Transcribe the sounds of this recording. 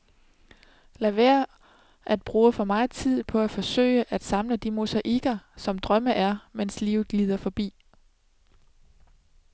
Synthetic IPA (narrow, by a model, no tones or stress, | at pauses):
læʋæːɐ | ʔæd̥̚b̥ʁuːfɒ̽mɑ̈ːɪt͡sʰið̰ˠpʰɒ̽æfɒ̽sø̰ɪəʔæd̥sɑ̈mləd̥imo̝sæʔiɡ̥ɐsɒ̽md̥ʁɶməʔæɐmenslḭːʊð̩ˠliːð̞̰ˠɐfɒ̽b̥ḭː